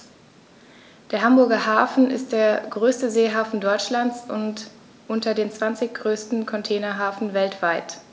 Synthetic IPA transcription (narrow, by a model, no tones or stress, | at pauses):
d̥eːɐɦambʊɐɡɐɦaːfn̩ɪ̰st̚d̥eːɐɡʁøːstəzeːɦaːfn̩dɔʏt͡ʃlant͡sʊ̰nt | ʔʊntʰɐdeːnt͡sv̥ant͡sɪçɡ̥ʁøːstn̩kʰɔntʰɛːnɐɦaːfn̩vɛltv̥aɪt